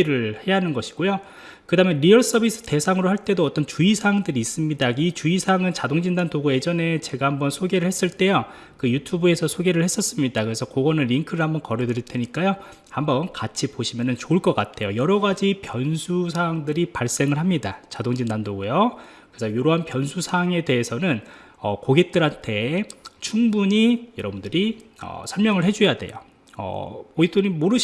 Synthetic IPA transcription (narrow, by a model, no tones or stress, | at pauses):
ɾɯɭhe̞janɯnɡʌɕʰi̥ɡ̥ojo | kɯdamjʌnɾiʌɭs͈ʌbis͈ʰɯ̥te̞sʰaŋɯɾohaɭt͈e̞doʌt͈ʌnt͡ɕuisʰaŋdɯɾiːs͈ɯmɲidait͡ɕuisʰaŋɯnt͡ɕadoŋd͡ʑindandoɡoe̞d͡ʑʌne̞t͡ɕe̞ɡahambʌnsʰoɡe̞ɾɯɭhe̞s͈ɯɭt͈e̞jo | kɯjutʰubue̞sʰʌsʰoɡe̞ɾɯɭhe̞s͈ʌs͈ɯmɲidakɯɾe̞sʰʌkoɡʌnɯnːiŋkʰɯɾɯɭhambʌnkʌɾɯdɯɾitʰe̞ɲik͈ajo | hambʌnkat͡ɕʰipoɕʰimjʌnɯnt͡ɕoɯɭk͈ʌk͈atʰe̞jojʌɾʌɡad͡ʑipjʌnsʰusʰaŋdɯɾipaɭs͈e̞ŋɯɭɦamɲidat͡ɕadoŋd͡ʑinːandoɡujo | kɯesʰʌjoɾoɦanpjʌnsʰusʰaŋe̞de̞ɦesʰʌnɯn | ʌkoɡe̞k̚t͈ɯɾɦantʰe̞t͡ɕʰuŋbuɲijʌɾʌbundɯɾiʌ̰sʰʌɭmjʌŋɯɭhe̞d͡ʑujade̞̰jo̰ | ʌ̰oit͈ʰonimoɾɯɕ